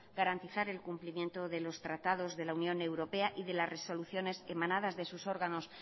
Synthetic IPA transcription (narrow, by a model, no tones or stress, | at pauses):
ɡaɾant̪iθaɾe̞lkumplimje̞nt̪o̞ðe̞lo̞st̪ɾat̪að̞o̞zðe̞launjõ̞ne̞wɾo̞pe̞aʔiðe̞lasre̞so̞luθjo̞ne̞se̞mãnað̞azðe̞suso̞ɾɣano̞s